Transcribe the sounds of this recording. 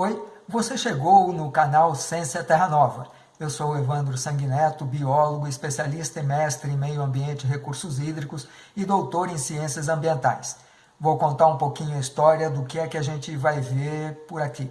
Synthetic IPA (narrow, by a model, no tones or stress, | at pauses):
ojvoseʃeɡownʊkanawsẽsɐt̪ɛɦɐnɔvɐ̰ | ewsowevɐ̃nd̪ɾʊsɐ̃ŋɡinɛt̪ʊbiɔloɡʊɪspesialist̪ɐẽmɛst̪ɾɪẽmejʊɐ̃mbiẽnt͡ʃɪɪɦekuɾsʊzid̪ɾikʊs | ɪd̪owt̪oɾẽj̃siẽsiɐzɐ̃mbiẽnt̪a̰js | vowkõnt̪aɾũpowkĩɲʊɐist̪ɔɾiɐd̪ʊkɪɛkɪaʒẽnt͡ʃɪvajveɾpʊɾaki